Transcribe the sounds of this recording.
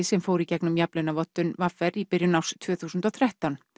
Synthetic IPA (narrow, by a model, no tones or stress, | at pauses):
sɛmfoːwɾicɛknʏmjaplɪnavɔt̪ːʏnvaɾfɛripɪɾjʏnawst̪ʰvœːθuːsʏnt̪ɔθʰɾɛht̪awn